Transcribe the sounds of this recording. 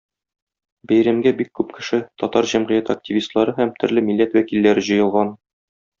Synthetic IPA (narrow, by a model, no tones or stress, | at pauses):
bæjɾæmɡæbikːʉpkɘ̆ʃɘt̪ɒt̪ɑɾʑæmʁɘ̆jæt̪ak̚tʲivʲist̪lˠɑɾɤɦæmt̪ɵ̆ɾlɘmilːæt̪wækilːæɾɘʑɤ̆jɤ̆lˠʁɑn